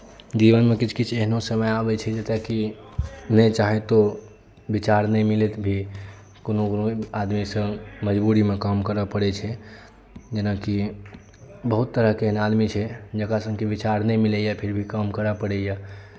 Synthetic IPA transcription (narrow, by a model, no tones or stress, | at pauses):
d͡ʒiʋənmekit͡ʃʰkit͡ʃʰeɦnosəməjabɛt͡ʃʰɛd͡ʒet̪eki | nɛt͡ʃaɦet̪o | bit͡ʃaɾnɛmilet̪bʱi | konoknoad̪misə̃məd͡ʒbuɾimekamkəɾəpəɽɛt͡ʃʰɛ | d͡ʒənaki | bəɦut̪ːəɾəɦkeeɦnad̪mit͡ʃʰɛd͡ʒəkasə̃ŋɡkibit͡ʃaɾnɛmilɛjapʰiɾbʱikamkəɾapəɽɛja